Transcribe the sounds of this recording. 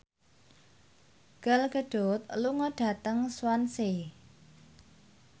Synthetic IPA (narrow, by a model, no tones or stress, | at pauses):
ɡ̥əlɡ̥əɖ̥ot̪̚luŋɔɖ̥a̤t̪əŋswanse